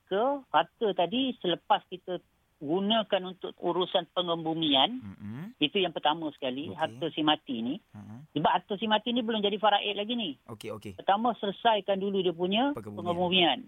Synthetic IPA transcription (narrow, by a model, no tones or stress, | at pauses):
kəhart̪ət̪adisələpaskit̪ə | ɡunə̃kanunt̪ʊk̚ṵɾusanpəŋəmbumĩanit̪ujaŋpərt̪amə̃sə̥kaliɦart̪əsimat̪inisəbaʔ̚hart̪əsimat̪inibəlʊmd͡ʒadifaɾaʔɛʔlaɡinipərt̪amə̃sələsajkanduludiəpuɲə̃pəŋəmbumian